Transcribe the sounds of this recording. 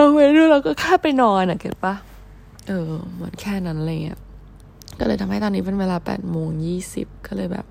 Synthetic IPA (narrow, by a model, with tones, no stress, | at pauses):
a˧we˧˦du˧˩laː˧wkɔː˥˩kʰaː˥˩pa˧jnɔː˧na˨˩ke˧˥˩pa˥˩ | ʔɤː˧˩mɯ˩˦ənkʰɛː˥˩na˦˥nʔa˨˧a˧ŋi˦˥ɐ | kɔː˥˩lɤː˧jt̪ʰa˧mha˥˩t̪ɔː˧nːiː˦˥pe˧nweː˧laː˧pɛ̰ː˨˩t̪̚moː˧ŋjiː˥˩sḭ˨˩p̚kɔː˥˩lɤː˧jbɛ̰ː˨˩p̚